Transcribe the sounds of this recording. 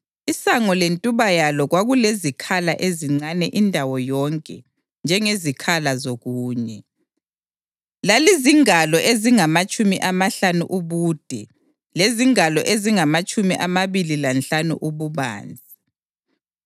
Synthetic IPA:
isaŋɔlentʼuβajalɔɣwaɣulezikʰalaʔeziŋ͡ǀanɛʔindʱawɔjɔŋkʼɛ | nd͡ʒʱɛŋezikʰalazoɣuːɲɛ | laliziŋalɔʔeziŋamat͡ʃʼumiʔamaɬanṵʔuβuːd̥ʱɛ | leziŋalɔʔeziŋamat͡ʃʼumiʔamaβililanɬanṵʔuβuβa̰ːnd͡zʱi

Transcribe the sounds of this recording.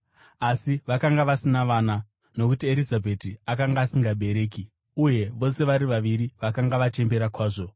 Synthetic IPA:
asiʋakaŋɡaʋasinaʋana | no̞kutieɾizabʱetiakaŋɡaːsiŋɡaɓʱe̞ɾe̞ːki | uje̞ʋo̞se̞ʋaɾiʋaʋiɾiʋakaŋɡaʋat͡ʃe̞mbe̞ɾakwaːʐo̞

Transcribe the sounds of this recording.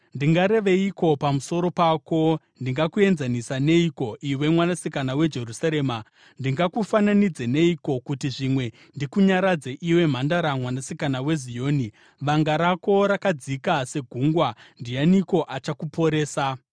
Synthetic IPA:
ndiŋɡaɾe̞ʋe̞iko̞pamuso̞ɾo̞pako̞ | ndiŋɡakue̞nzanisane̞iko̞ʔiwe̞mwanasikanawe̞d͡ʒe̞rusaɾe̞ːma | ndiŋɡakufananid͡ze̞ne̞iko̞kutiʐimwe̞ | ndikuɲaɾad͡zeʔiwe̞m̤andaɾamwanasikanawe̞zio̞ːni | ʋaŋɡaɾako̞ɾakad͡zikase̞ɡʱuŋɡwandijaniko̞ʔat͡ʃakupo̞ɾe̞ːsa

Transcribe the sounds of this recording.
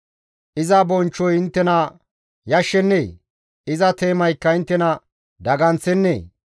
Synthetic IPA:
ʔɪzɐbɔnt͡ʃːɔjɪnt̪ːɛnɐ | jɐʃːɛnːeː | ɪzɐt̪e̞ːmɐjkːɐɪnt̪ːɛnɐ | d̪ɐɡɐnt͡sɛnːḛː

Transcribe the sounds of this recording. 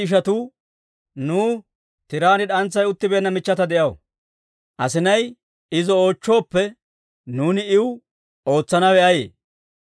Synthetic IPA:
ɪʃ̬ɐt̪uː | nuː | t̪ɪɾaːnɪᶑɐnt͡sːɐjʊt̪ːɪbeːɐnːɐmɪt͡ʃːɐt̪ɐd̪ɛʔɐw̰ | ʔɐsɪnɐj | ɪzɔoːt͡ʃːo̞ːpːɛ | nuːnɪɪw | o̞ːt͡sːɐnɐwɛʔɐjḛː

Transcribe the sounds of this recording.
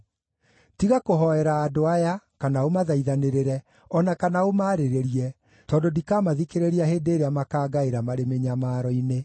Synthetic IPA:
tiɣakoɦɔɛɾaːdoajakanaomaðaiðaneɾeɾɛ | ɔnakanaomaːɾeɾeɾiɛ | tɔːndodikaːmaðikeɾeɾiaɦeːndeːɾeamakaːɡaeɾamaɾemeɲamaɾɔine

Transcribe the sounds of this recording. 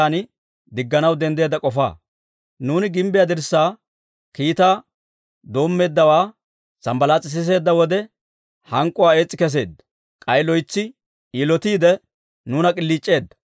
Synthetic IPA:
aːnɪ | d̪ɪɡːɐnɐwd̪ɛnd̪eːd̪ɐkʼɔfa̰ː | nuːnɪɡɪmbɪjad̪ɪɾsːaː | kiːt̪aː | d̪o̞ːmːe̞ːd̪ːɐwaː | sɐmbɐlaːt͡sʼːɪs̬ɪs̬e̞ːd̪ːɐwɔd̪ɛ | hɐŋkʼːʊwaːe̞ːt͡sʼːɪkɛs̬e̞ːd̪ːɐ̥ | kʼɐjlɔjt͡sːɪ | iːlɔt̪iːd̪ɛ | nuːnɐkʼɪlːiːt͡ʃʼːe̞ːd̪ːɐ̥

